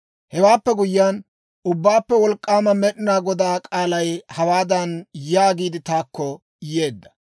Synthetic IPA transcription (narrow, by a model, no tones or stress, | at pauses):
hɛwaːpːɛɡʊjːan | ʊbːaːpːɛwɔlkʼːaːmɐmɛɗɪnaːɡɔd̪aːkʼaːlɐjhɐwaːd̪ɐnjaːɡiːd̪ɪt̪aːkːɔ | je̞ːd̪ːɐ̥